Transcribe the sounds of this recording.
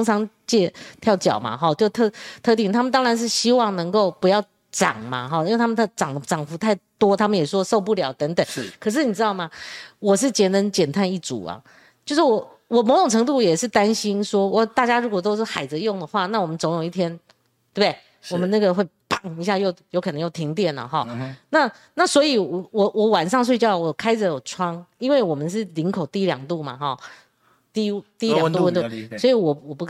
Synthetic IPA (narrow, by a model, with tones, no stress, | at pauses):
ʊ˥ŋʈ͡ʂʰɑ˧˥ŋt͡ɕjɛ˥˧t̪ʰjɑ˥˩ʊt͡ɕjɑ̰˨˩ʊma̰˦xɑ˥˧t͡ɕjo˥˧ʊt̪ʰɤ˥˧t̪ʰɤ˥˧t̪i˥˩ŋt̪ʰa˥mə˨nt̪ɑ˥ŋɻa˧nʂ̬ɻ̩˥˩ɕi˥wɑ˥˩ŋnɤ˧˥ŋko˥˩ʊpu˧˥jɑ˥˩ʊ | ʈ͡ʂɑ̰˨˩ŋmɐ̰˨xɔ˥˧˦i˥we˥˩ɪa˥mə˧˥˩ʈ͡ʂɑ˨˩ŋd̪ə˦ʈ͡ʂɑ˨˩ŋfu˧˥t̪ʰa˥˩ɪt̪wɔ˥t̪ʰa˥mə˨njɛ˨˩ʂʂwɔ˥ʂo˥˧ʊp̬u˥˩ljɑ˧˦ʊt̪ə˧˥ŋt̪ə˨˩˦kʰɤ˨˩ʂ̬ɻ̩˥˩ni˨˩ɻ̩˥t̪ɑ˥˩ma˨˩wɔ˨˩ʂ̬ɻ̩˥˩t͡ɕjɛ˧˥nə˧˥nt͡ɕjɛ˨˩nt̪ʰa˥˧ni˥˩ʈ͡ʂṵ˨˩ɐ̰˩ | t͡ɕt͡ɕjo˥˧ʊʂɻ̩˥˩wɔ˨˩˦ | wɔ˨˩mo˧˥ʊʈ͡ʂʊ˨˩ŋʈ͡ʂʰɤ˧˥ŋt̪̬u˥˩jɛ˨˩ʂɻ̩˥˩t̪a˥nɕi˥nʂwɔ˥wɔ˥˧˩t̪a˥˩t͡ɕja˥ɻu˧˥kwɔ˨˩t̪̬o˥ʊʂɻ̩˥˩xa˨˩ɪd͡zɹ̩˧jʊ˥˩ŋd̪ə˩xwa˥˧na˥˩wɔ˨˩mə˦nt͡so˧˥ŋji˥˩t̪ʰjɛ˥n | t̪we˩bd̪e˥˩ | wɔ˨˩mə˦na˥˩ɡə˨xwe˥˩ɪpɑ˥˩ŋi˧ɕ̬ja˥˧jo˥˩ʊjo˧ʊkʰɤ˨˩nɤ˧˦jo˥˩ʊt̪ʰi˧˥ŋt̪jɛ˥˩nə̰˨˩xɔ˥˩na˥˩ | na˥˩swɔ˧˥i˨˩wɔ˨˩wɔ˨˩wɔ˧˩wa˨˩nʂ̬ɑ˥˧ŋs̬we˥˧ɪt͡ɕjɑ˥˩ʊwɔ˨˩kʰa˥ɪə˨˦jo˨˩ʈ͡ʂʰwɑ˥ŋi˥nwe˥˩ɪwɔ˨˩mə˨˦nʂ̬ɻ̩˥˩li˧˥nkʰo˨˩ʊt̪i˥˧i˥ljɑ̰˨˩ŋt̪u˥˩ma̰˨˩xɔ˥˩ | t̪i˥˧˥u˥t̪i˥˧˥lɑ˨ŋt̪u˥˧wə˥˧nt̪u˥˧˩swɔ˧˥i˨˧˦wɔ˨˩wɔ˨˩pu˥˩